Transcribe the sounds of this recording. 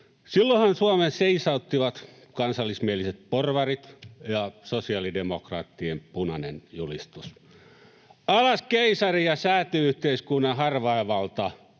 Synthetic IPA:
silːohɑnsuɑmenseisɑut̪ːiʋɑt̪ | kɑnsɑlːismieliset̪̚porʋɑrit̪jɑsosiɑlidemokrɑ̰ːt̪ːiempunɑnenjulist̪us | ɑlɑskeisɑrijɑsæːt̪yyht̪eiskunːɑhɑrʋɑeʋɑlt̪ɑ

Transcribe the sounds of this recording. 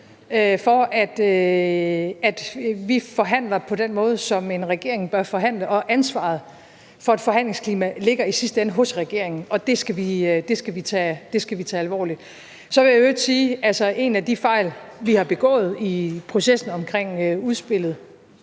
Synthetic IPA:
øfɒæd̥ø | æd̥ʋifɒ̽ɦæn̰lɐpʰɒ̽d̥en̰mɔ̽ːð̞ˠsɒ̽me̝nʁɛɡ̥e̝ɐ̰eŋb̥ɶɐfɒ̽ɦæn̰ləʔɒ̽ʔænsʋɑ̰̈ð̞̩ˠ | fɒ̽æd̥fɒ̽ɦhæn̰le̝ŋskʰliːmæle̝ɡ̥ɐisisd̥əenəɦɔ̽sʁaɡ̥e̝ɐ̰eŋn̩ɒ̽d̥e̝sɡ̥æʋid̥e̝sɡ̥æʋit͡sʰɛd̥e̝sɡ̥æʋit͡sʰɛːælʋɒ̰ːlid̥ | sɒ̽ʋe̝jæød̥siːælsɐʔe̝næd̥ifɑ̈ɪ̰lʋihɑ̈b̥e̝ɡ̥ɔ̰̽ːð̞̩ˠipʰʁo̝sesn̩ɒ̽mkʰʁeŋ̰øuð̞ˠsb̥e̝l̰ð̞̩ˠ

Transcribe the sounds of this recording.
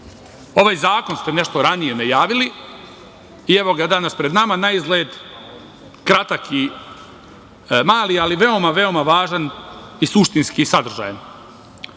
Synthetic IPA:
o̞ʋaːjzaːko̞nst̪e̞ne̞ʃt̪o̞ɾanije̞najaːʋili | ieʋo̞ɡad̪anaspɾe̞d̪namanaizɡleːd̪ | kɾat̪akʰi | maːlialiʋe̞o̞maʋe̞o̞maʋaːʒanisuʃt̪inskiːsad̪r̩ʒa̰ːjen

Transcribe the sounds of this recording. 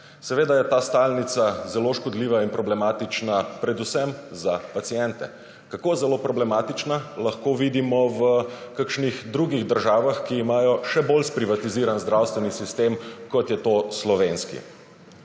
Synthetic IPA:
sɛʋeːd̪ajɛt̪aːst̪aːlnit̪sazɛloʃkɔd̪liːʋainpɾɔblɛmaːt̪it͡ʃnapɾɛd̪usɛmzapat̪sijɛnt̪ɛ̰ | kakoːzɛlopɾɔblɛmaːt̪it͡ʃnalaxkoʋid̪imɔʋəkakʃnixd̪ɾuɡiɣd̪əɾʒaːʋaxkiːmaːjɔʃɛbolspɾiʋat̪iziːɾanzd̪ɾawst̪ʋɛnisist̪emkɔt̪jɛt̪oslɔʋenskḭ

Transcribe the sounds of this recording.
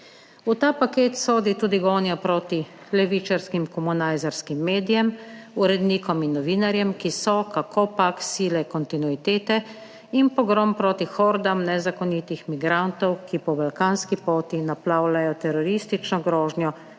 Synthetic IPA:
ut̪aːpakeːt̪soːd̪it̪uːd̪iɡɔːnjapɾoːt̪i | lɛʋiːt͡ʃaɾskimkɔmunajzaɾskimːeːd̪ijɛmuɾɛd̪niːkɔminːɔʋiːnaɾjɛmkisɔkakʰopaksiːlɛkɔnt̪inuit̪eːt̪ɛ | inpɔɡɾɔmpɾoːt̪ixɔːɾd̪amnɛzakɔnit̪ixmiɡɾant̪ɔwkipɔbalkaːnskipoːt̪inaplaːwlajɔt̪ɛɾɔɾiːst̪it͡ʃnɔɡɾɔːʒnjɔ

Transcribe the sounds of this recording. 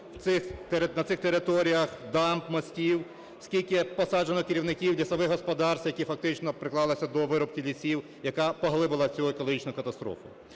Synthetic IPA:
wt̪sɪxt̪eɾnɐt̪ɪxt̪eɾɪt̪ɔɾʲijɐxd̪ɑmpmɔsʲtʲiw | sʲkʲilʲkɪpɔsɑd͡ʒenɔkɪɾʲiwnɪkʲiwlʲisɐʋɪɦɦɔspɔd̪ɑrst̪jɐkʲifɐk̚t̪ɪt͡ʃnɔpɾɪklˠɑlˠɪsʲɐd̪ɔʋɪɾɔp̚kʲilʲisʲiw | jɐkapɔɦlˠɪbɪlˠɐt͡sʲuekɔlˠɔɦit͡ʃnʊjkɐt̪ɐst̪ɾɔ̰fʊ̰

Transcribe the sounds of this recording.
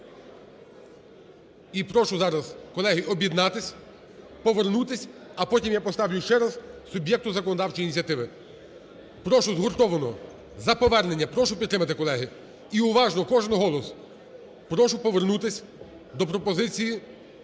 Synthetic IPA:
ipɾɔʃʊzɑɾɐzkɔlˠɛɦiʔɔbʲjid̪nɑt̪ɪsʲ | pɔʋernut̪ɪsʲɐpɔtʲimjapɔst̪ɑʋʲjʊʃt͡ʃɛɾɐzsʊbʲjɛk̚t̪ʊzɐkɔnɔd̪ɑwt͡ʃɔjinʲit͡sʲiɐt̪ɪʋɪ | pɾɔʃʊzɦɔrt̪ɔʋɐnɔ | zɐpɔʋɛrnenʲːɐpɾɔʃʊpʲid̪t̪ːɾɪmɐt̪ɪkɔlˠɛɦɪ | iʊʋɑʒnɔkɔʒenɦɔlˠɔs | pɾɔʃʊpɔʋernut̪ɪsʲ | d̪ɔpɾɔpɔzɪt͡sʲiji

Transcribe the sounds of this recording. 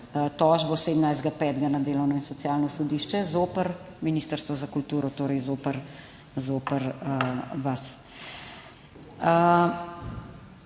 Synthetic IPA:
t̪ɔːʒbɔseːd̪mnajzd̪ɡapɛːt̪ɡanad̪eːlɔwnɔinsɔt̪sjaːlnɔsɔd̪iːʃt͡ʃɛzoːpəɾ | miniːst̪əɾst̪ʋɔzakult̪uːɾɔt̪oːɾɛjzoːpəɾ | zoːpəɾ | ʋas | ə

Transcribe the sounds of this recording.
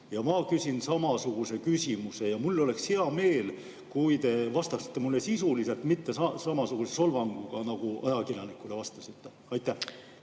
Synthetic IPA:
jɑmɑkysʲinsɑmɑsuɡ̥use̞kysʲimuse̞jɑmulːo̞le̞ksheɑme̞ːl | kujt̪e̞vɑst̪ɑsi̥t̪ːemulːe̞sisulise̞lt̪mit̪ːe̞sɑsɑmɑsuɡ̥useso̞lvɑŋɡ̥uɡ̥ɑnɑɡ̥uɑjɑkiljɑnikːˑule̞vɑst̪ɑsit̪ːe̞ | ɑjt̪ːˑæh

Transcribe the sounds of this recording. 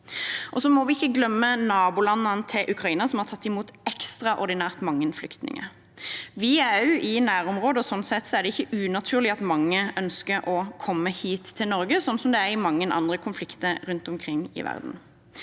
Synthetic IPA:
ʔɔsɔmɔʋɪɪçːəɡlœmːənɑːbulɑnːɑnət̪ʰɪlʔʉkʰʁɑiːnəsɔmhɑʁt̪ʰɑt̪ːɪmuːt̪ɛkst̪ʁɑʔɔɾd̪ɪnæːʁt̪mɑŋːənflʏkt̪nɪ̰ŋə̰ | ʋɪæʉʔɪnæːʁɔmʁoːd̪əɔsɔnːsɛt̪ːsɔæʁd̪ɛɪçːəʉːnɑt̪ʰʉːʁlɪɑt̪mɑŋːəœnskəɾɔkʰɔmːəhiːt̪ʰːɪlnɔʁɡəsɔnːsɔmd̪ɛæʁɪmɑŋːənʔɑ̰nd̪ʁəkʰʊnflɪkt̪əɾɾʉnt̪ʊmkʰʁɪŋːɪ̰ʋæ̰ʁd̪n̩

